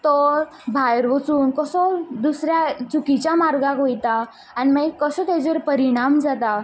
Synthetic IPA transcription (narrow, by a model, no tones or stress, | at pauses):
t̪ɔ | bʱajɾʋət͡suːnkəsɔd̪usɾjat͡ɕukit͡ɕjamaɾɡakɦojt̪aː | ñimaikəsɔt̪ed͡zəɾpəɾiɽ̃amd͡zat̪a